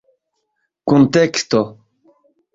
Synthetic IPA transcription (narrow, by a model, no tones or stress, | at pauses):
kunt̪ekst̪o